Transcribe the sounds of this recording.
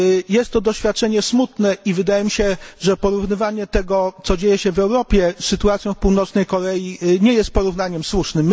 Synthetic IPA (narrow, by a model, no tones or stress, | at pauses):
jɛst̪ːɔd̪ɔɕfʲjat̪̚t͡ʂɛɲɛsmut̪nɛivɘd̪ajɛmʲiɕɛʐɛpɔɾuvnɘvaɲɛt̪ɛɡɔt̪sɔd͡ʑejɛɕɛvɛwɾɔpʲjɛsːɘt̪uat̪sʲjɔ̃w̃fpuwnɔt̪snɛjkɔɾɛjiɲɛjɛst̪̚pɔɾuvnaɲɛmswuʂnɘmː